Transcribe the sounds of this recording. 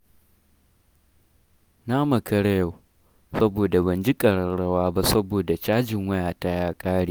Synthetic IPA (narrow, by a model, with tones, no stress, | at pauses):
naː˦mɐ˨kɐ˦ɽɐ˦ja˨ | sɐ˦boː˨da˨bɐ˨nd͡ʒi˦kʼɐ˨ɽɐ˨ɽɐ˦waː˦ba˦sɐ˦boː˨da˨t͡ʃaː˦d͡ʒɪ˨ŋwɐ˦jaː˨ta˦jaː˦kʼaː˦ɽiː˦